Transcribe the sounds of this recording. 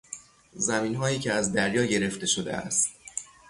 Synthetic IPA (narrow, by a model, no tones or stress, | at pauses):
zæmiːnɦɒːjiːcʰeæzd̪æɾjɒːɟe̞ɾe̞ft̪e̞ʃo̞d̪ḛʔæ̰st̪̚